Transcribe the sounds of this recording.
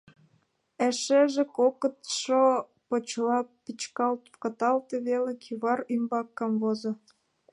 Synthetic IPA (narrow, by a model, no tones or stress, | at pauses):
æʃeʒĕkokət̪ʃo | pot͡ɕlɑpit͡ɕkɑlt̪kɑt̪ɑlt̪eβelekʰiβɑrymbɑkːɑmvozŏ